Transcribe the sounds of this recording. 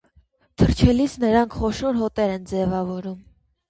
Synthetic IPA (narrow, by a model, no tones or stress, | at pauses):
t̪ʰəɾt͡ʃʰɛlit͡sʰnəɾɑŋkʰχɔʃɔɾɦɔt̪ɛɾɛnd͡zɛvɑvɔɾum